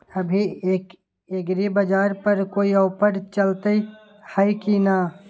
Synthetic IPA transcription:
əbʱieːk | eɡɾebəd͡ʒaːɾpəɾkoːiəʊpəɽt͡ʃəlt̪e | həjkina

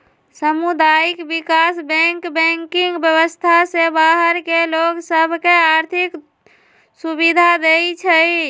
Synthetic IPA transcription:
səmud̪aikbikasbɛŋkbɛŋkiŋɡbjəβəst̪ʰasebaɦəɾkeloɡsəbʱkeaɾt̪ʰik | subid̪ʱad̪et͡ʃʰəi

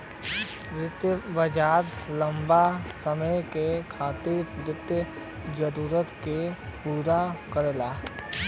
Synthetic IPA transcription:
ʋɾɪt̪jəbəd͡ʒaːɾlə̃mbasəməjkekʰaːt̪ɪɾɾɪt̪jə | d͡ʒəɾuːɾət̪kepuːɾakəɾlaː

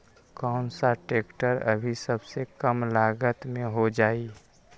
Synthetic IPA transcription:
kɔːnsaʈeːkʈəɾə̰bʱisəbsekəmlaːɡət̪mẽɦod͡ʒaːi

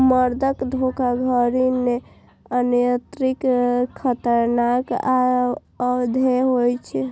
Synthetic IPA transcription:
məɾd̪ʱəkd̪ʱokaɡʱəɾine | ənjət̪ɾikʰːət̪əɾnaka | əd̪ʱeɦojt͡ʃʰɛ

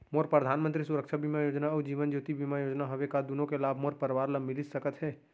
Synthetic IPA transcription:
moɾpɾəd̪ʱanmə̃nt̪ɾisuɾəkt͡ʃʰabimajod͡ʒnaəd͡ʒiʋənd͡ʒot̪ibimajod͡ʒnaɦobekad̪unõkelabʱmoɾpəɾʋaɾləmilit̪səkət̪ɦɛː

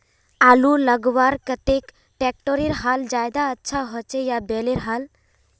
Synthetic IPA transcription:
aluləɡwaɾkət̪ek | ʈek̚ʈoɾeɾɦald͡ʒajd̪aətːʃʰaɦɔt͡ʃejabeleɾɦal

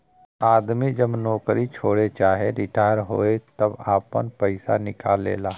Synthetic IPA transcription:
aːd̪mid͡ʒɐbnɔːkɾit͡ʃʰoːɽet͡ʃaːɦeɾɪʈaːɪɾɦo̰ːet̪ɐbaːpə̰npəɪsa̰nɪkaːlːḛːlaː

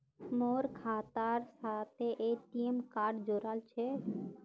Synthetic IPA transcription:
moːɾkʰaːt̪aɾsaːt̪ʰeʔeʈiemkaːɾɖd͡ʒoːɾaːlt͡ʃʰɛ

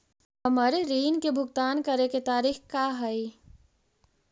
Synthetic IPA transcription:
ɦɐmaːɾeɾiːnkebʱʊɡt̪aːnkɐɾeket̪aːɾiːxkaɦɐi

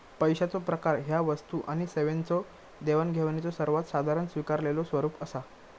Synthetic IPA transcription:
pəjɕat͡sopɾəkaɾɦjaʋəst̪uʔaɽ̃iseʋent͡sɔ | d̪eʋənɡʱeʋnet͡sɔsəɾʋat̪sad̪ʱaɾənsʋikaɾlelosʋəɾuːpəsa

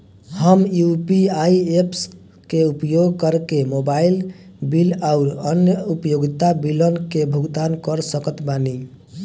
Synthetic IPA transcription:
həmjupiaieps | keupjoɡkəɾkemobailbilaʊɾənjəupjoɡit̪abilənkebʱuɡt̪ankəɾsəkət̪bani

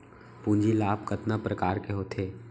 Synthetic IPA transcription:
pũːɲd͡ʒilaːpkɐt̪napɾɐkaːɾkeɦoːt̪ʰeː

